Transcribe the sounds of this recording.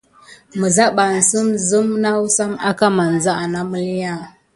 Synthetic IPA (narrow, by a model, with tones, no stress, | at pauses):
mə˨za˦ɓa˨n̩˨sə˦mzə˦mna˦wsa˦ma̰˦ka˦ma˨n˨za˦a˨na˦mə˦li˦ja˦˨